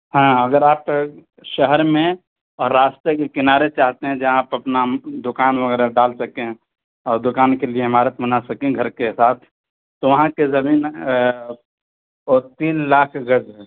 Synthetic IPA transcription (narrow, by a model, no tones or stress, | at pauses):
ɦãːɐɡəɾaːp | ʃəɦəɾmẽ | ɔːɾːaːst̪ɾekekɪnaːɾet͡ʃaːɦt̪eɦɛ̃d͡ʒɐãaːpɐpnad̪ʊkaːnʋəɡɛːɾaɖaːlsɐkẽɛ̃ | ɔːɾd̪ʊkaːnkelieɪmaːɾət̪mənasɐkẽɡʱɐɾkesaːt̪ʰ | t̪ːoʋɐɦãkezɐmiːn | ot̪iːnlaːkʰɡəd͡ʒɦɛː